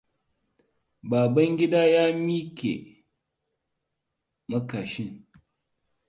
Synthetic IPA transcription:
baː˨bɐ˦ŋɡʲɪ˦daː˦jaː˦miː˦kʲḛ˨ | mɐ˦kaː˨ʃɪ˦ŋ

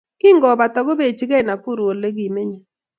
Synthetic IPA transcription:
kɪ˦ŋɡɔ˨ba˨tɔ˨ɡo˦be˦˨t͡ʃɪ˦ɡɛ˦˨na˨kʊ˦ɾo˨le˦ɡi˨me˦ɲe˨

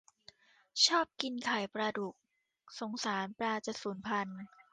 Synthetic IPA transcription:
t͡ɕʰɔː˥˩p̚ki˧nkʰa˨˩jpɾa˧du˨˩k̚ | so˩˦ŋsaː˩˦npɾaː˧t͡ɕa˨˩suː˩˦npʰa˧n

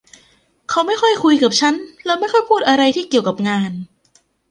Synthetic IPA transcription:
kʰa˦˥wma˥˩jxʰɔ˥˩jkʰu˧jka˨˩p̚t͡ɕʰa˦˥nlɛː˦˥wma˥˩jxʰɔ˥˩jpʰuː˥˩t̪̚ʔa˧ɾa˧jt̪ʰiː˥˩ki˨˩əwka˨˩p̚ŋaː˧n

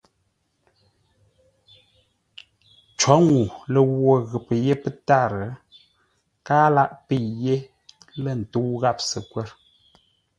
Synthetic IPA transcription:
t͡ʃwɔ˨˦ŋu˨lə˨wwo˦˨ɣə˨pə˨je˦pə˦ta˦˨ɾə˨ | kaː˦la˦ʔpi˦˨je˦ | lə˦˨n̩˨tu˦wɣa˦˨p̚sə˨kwɛ˦ɾ

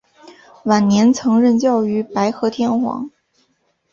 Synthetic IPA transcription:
wa˨˩nnjɛ˧˥nt͡sʰɤ˧˥ŋɻə˥˧nt͡ɕjɑ˥˩ʊy˧˥pa˧˥ɪxɤ˧˥t̪ʰjɛ˥˧nxwɑ̰˧˥ŋ

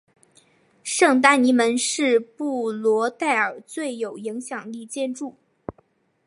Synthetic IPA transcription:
ʂɤ˥˩ŋt̪a˥ni˧˥mə˧˥nʂɻ̩˥˧pu˥˩lwɔ˧˥t̪a˥˩ɪə˞˨˩t͡swe˥˩ɪjo˨˩ʊi˧˥ŋɕjɑ˨˩ŋli˥˧t͡ɕjɛ˥˧nʈ͡ʂu˥˩

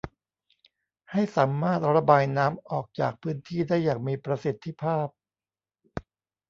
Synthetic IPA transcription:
ha˥˩jsaː˩˦mːaː˥˩t̪̚ɾa˧baː˧jnaː˦˥mʔɔː˨˩k̚t͡ɕa̰ː˨˩k̚pʰɯː˦˥nt̪ʰiː˥˩daː˥˩jːaː˨˩ŋ̚miː˧pɾa˧si˨˩t̪ʰːi˧˦pʰaː˥˩p̚

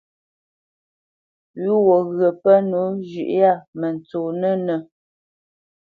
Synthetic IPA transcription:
ɥu˦wɔ˨ɣɰə˨pə˦nu˨˦d͡ʒʉ̰˨ʔja˦˨mə˨n˨t͡soː˨nə˦nə˨

